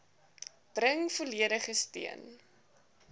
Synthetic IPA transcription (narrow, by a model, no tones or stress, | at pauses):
b̥rəŋfuliəɾəχəstḭən